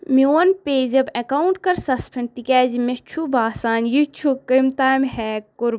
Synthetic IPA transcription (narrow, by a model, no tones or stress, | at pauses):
mioːnpeːzɐbɐkauɳʈkɐɾsɐspʰɐɳt̪ikʲɛːzmet͡ʃʰubaːsaːnjit͡ʃʰukəmt̪aːmhɛːkʊɾ